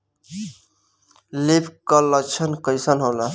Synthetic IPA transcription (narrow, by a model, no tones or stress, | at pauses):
lipʰkələt͡ʃʰənkəjsənɦola